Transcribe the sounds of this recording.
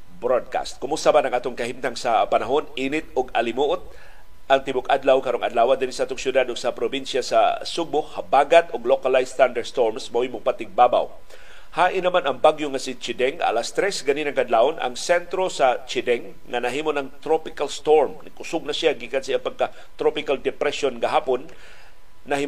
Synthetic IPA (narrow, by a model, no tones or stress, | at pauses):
bɾod̪̚ka̰st̪̚kʊmʊst̪amanɐŋʔaːt̪oŋkɐhimt̪aŋsɐpanaɦonʔinɪt̪̚ʔʊɡɐlɪmuʔot̪̚ | ʔɐŋt̪ɪbʊkʔad̪lawkaɾoŋɐd̪laːwad̪ɪnisaʔaːt̪oŋsjʊd̪ad̪ʊɡ̥sɐpɾobinsjasa̰sʊɡ̚ohabaɡat̪oɡlokalajst̪and̪ɛst̪oɹmsmaʔijmʊŋpat̪ɪɡ̚baba̰w | haːʔɪnɐmanɐŋbaɡjoŋasɪt͡ʃɪd̪ɛŋa̰last̪ɾɛsɡɐninɐŋkɐd̪laːʔonʔɐ̰ŋsɛnt̪ɾosɐt͡ʃɪd̪ɛŋːɐnɐɦiːmonɐŋt̪ɾopɪkalst̪oɹmnɪɡʊsʊɡ̚nɐsjaɡikansaiʔapɐɡ̚ka | t̪ɾopɪkald̪ɛpɾɛʃonɡɐɦaːponː | ɐhi